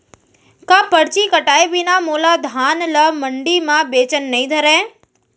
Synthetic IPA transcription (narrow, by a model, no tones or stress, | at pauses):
kapəɽt͡ʃikəʈaːebinamoːlad̪ʱaːnləməɳɖimãbeːt͡ʃənːɐɦĩd̪ʱəɾɛ̃ː